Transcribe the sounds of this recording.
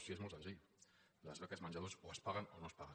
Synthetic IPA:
siezmolˠsẽnziʎu | ləzβɛkazmanɲd͡ʒaðosoəspaɣənonospaɣə

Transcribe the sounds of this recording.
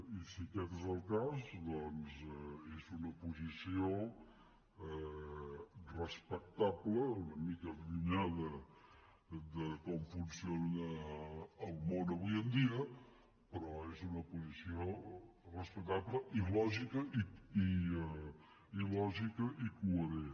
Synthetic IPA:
isikɛt̪əzəlˠkazd̪ɔnzɛezunəpuzisio | ɛ | rəspək̚t̪aβləunəmikəɣuɲaðə | d̪əkɔmfunsionəː | lˠmonəβujənd̪iə | pəɾɔezunəpuzisiorəspək̚t̪aβləʔilɔʒikəʔii | ilɔʒikəʔikuəɾe

